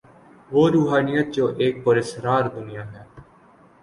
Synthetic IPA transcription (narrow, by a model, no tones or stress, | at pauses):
ʋoːɾuːɦaːnɪjat͡ʃoːʔeːk̚pəɾesɾaːɾd̪ʊnɪjaːɦɛː